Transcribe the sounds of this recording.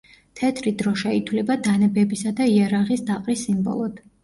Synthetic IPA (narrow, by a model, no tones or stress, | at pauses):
t̪ʰɛt̪ʰɾid̪ɾɔʃɛit̪ʰwlɛbad̪anɛbɛbisad̪aiaɾaʁisd̪aqʼɾisːimbɔ̰lˠɔd̪̥